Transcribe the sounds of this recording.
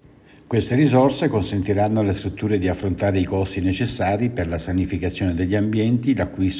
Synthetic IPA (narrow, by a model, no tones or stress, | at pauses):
kwest̪eɾizorsekonsent̪iɾanːolest̪ɾut̪ːuːɾed̪iafːɾont̪aːɾeikɔst̪inet͡ʃesːaːɾiperlasanifikat̪sːjoːned̪eʎːiambjɛnt̪ilakːwis